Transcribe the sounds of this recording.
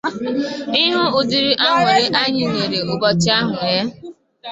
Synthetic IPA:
ɪ˦ɦʊ˦ʊ˨di˨ɾi˦ʔa˦ŋʷe˨ɾe˦ʔa˦ɲɪ˨ŋʷe˨ɾe˨ʊ˨bɔ˦t͡ʃɪ˦a˦ɦʊ˨ja˦

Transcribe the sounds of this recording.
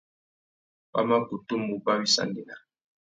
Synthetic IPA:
pa̰˦ma˦ku˨tu˦mu˨ba˦wi˦sa̰˦˨ndi˨na˨

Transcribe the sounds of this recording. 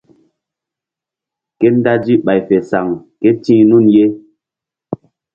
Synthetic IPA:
kɛ˦n˦da˦d͡ʒi˦ɓa˨jfɛ˨sa˨ŋkɛ˦tĩ˦nu˦˨nje˦

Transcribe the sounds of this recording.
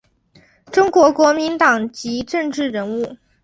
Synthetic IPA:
ʈ͡ʂʊ˥ŋkwɔ˧˥kwɔ˧˥mi˧˥nt̪ɑ˨˩ŋt͡ɕi˧˥ʈ͡ʂɤ˥˧ŋʈ͡ʂɻ̩˥˩ɻə˧˥nu˥˩

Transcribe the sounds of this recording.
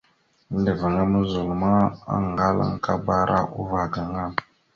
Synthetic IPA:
də˨və˨ŋa˦mə˦zu˨lma˦a̰˦ŋ˨ɡa˦la̰˦ŋ˦ka˦ba˦ɾa̰˦ʔu˦va˨ɡa˨ŋa˦˨

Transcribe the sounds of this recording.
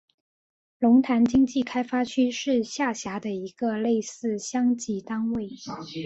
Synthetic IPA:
lʊ˧˥ŋt̪ʰa˧˥nt͡ɕi˥ŋt͡ɕi˥˩kʰa˥ɪfa˥t͡ɕʰy˥ʂɻ̩˥˧ɕja˥˩ɕja˧˥d̪ə˧i˧˥ɡ̥ə˧le˥˧ɪsɹ̩˥˩ɕjɑ˥ŋt͡ɕi˥˩t̪a˥ŋwe˥˩ɪ

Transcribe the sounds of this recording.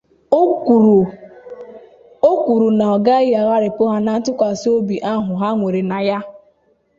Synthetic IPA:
o˦kʷu˨ɾu˨na˨ɔ˨ɡa˦ɪ˦ja˨ɣa˦ɾɪ˨pʊ˦ɦa˦na˨n̩˦tʊ˦kʷa˨so˦bi˨ʔa˦ɦʊ˨ɦa˦ŋʷe˨ɾe˨na˨ja˦

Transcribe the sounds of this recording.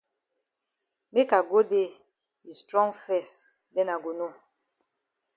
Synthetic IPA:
me˦ka˨ɡo˦de˦˨ | i˨stɾɔ̃˦ŋfɛ˦˨s | dɛ˦na˨ɡo˨no˦˨

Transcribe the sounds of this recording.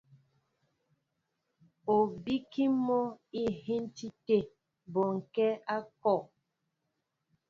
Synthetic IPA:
o˨bi˦ki˦mɔ˦i˦hi˦n˦ti˦te˦˨ | bɔ˨ŋ̩˨kɛ˦a˦kɔ˦˨ʔ

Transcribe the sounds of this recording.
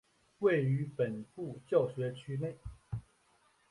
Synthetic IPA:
we˥˨ɪy˨˧˦pə˨˩npu˥˨t͡ɕjɑ˥˨ʊɕɥɛ˨˦t͡ɕʰy˥˦ne˥˨ɪ

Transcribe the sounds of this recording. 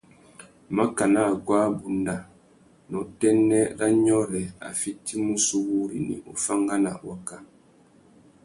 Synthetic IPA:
ma˦ka˨na˦˨ɡwa˦bu˨nda˨ | nɔ˨tɛ˦nːɛ˦ɾa˦ɲɔ˦ɾɛ˨a̰˨fi˦ti˦mu˦su˦wu˦ɾḭ˨nḭ˨o˨fa˦ŋɡa˦na̰˨wa˦ka˦

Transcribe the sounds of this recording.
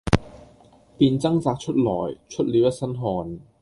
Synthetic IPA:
piː˧nt͡sɐ˥ŋt͡saː˧k̚t͡ʃʰɵ˥t̚lɔ̰ː˨˩jt͡ʃʰɵ˥t̚liː˨˧wjɐ˥t̚sɐ˥nɦɔː˧n

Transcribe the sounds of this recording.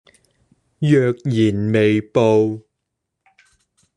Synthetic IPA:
jœː˨˧k̚jiː˨˩nme˨jpo˨˧w

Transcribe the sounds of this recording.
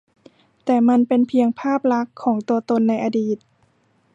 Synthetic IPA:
t̪ɛː˨˩ma˧npe˧npʰi˧əŋpʰaː˥˩p̚la˦˥kʰːɔː˩˦ŋt̪u˧ɐt̪o˧nːa˧jʔa˧diː˨˩t̪̚

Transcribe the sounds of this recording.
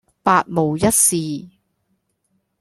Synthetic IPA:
paː˧t̚mo˨˩wjɐ˥t̚siː˨

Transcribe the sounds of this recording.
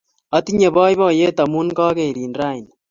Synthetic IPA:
a˨t̪i˦ɲe˨βaː˦jβa˦˨je˦t̪a˨mu˦nkaː˦ke˨ɾiː˨nɾa˦i˨n

